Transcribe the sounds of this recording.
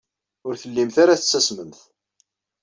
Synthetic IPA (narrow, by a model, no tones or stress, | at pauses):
ʊɾθəlːimθaɾaθət͡sːæsməmθ